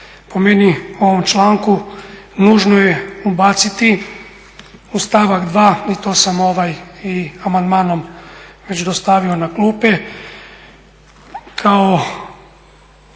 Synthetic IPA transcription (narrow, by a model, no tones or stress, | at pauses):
pomenioʋomt͡ʃlˠaːŋkunuːʒnojeubaːt̪sit̪i | ust̪aːʋakd̪ʋaːit̪oːsamoʋajiamand̪maːnomʋet͡ʃd̪ost̪aːʋionakluːpe | kʰao